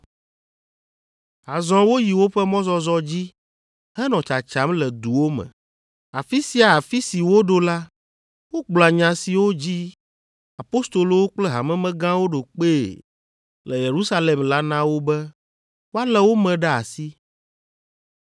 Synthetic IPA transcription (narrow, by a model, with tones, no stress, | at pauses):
ɦa˨zɔ̃˦wo˦ji˨wo˦ɸɛ˦mɔ̃˦zɔ˦zɔ˦d͡ʑi˦ | hɛ˦nɔ̃˨t͡ʃa˨t͡ʃa˦mlɛ˨d̪u˨wo˦mɛ̰̃˨ | a˨fi˦si˦a˨a˨fi˦si˨wo˦ɖo˦la˦ | wo˦k͡plɔ˨a˨ɲã˨si˨wo˦d͡ʑi˦ | a˨po˦st̪o˨lo˦wo˦k͡plɛ˦ɦa̰˨mɛ̃˦mɛ̃˦ɡã˦wo˦ɖo˨k͡pe˦˨ | lɛ˨je˨ɾu˦sa˦le˨mla˦nã˦wo˦bɛ˦ | wo˦a˦lɛ˦wo˦mɛ̃˨ɖɛ˦a̰˨si˦